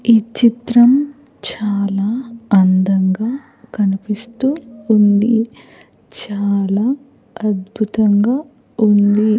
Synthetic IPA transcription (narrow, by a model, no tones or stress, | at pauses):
it͡ʃit̪ɾɐm | t͡ʃaːlaːɐnd̪ɐŋɡaː | kɐnipist̪uːnd̪i | t͡ʃaːlaː | ɐd̪bʱut̪ɐŋɡaː | und̪i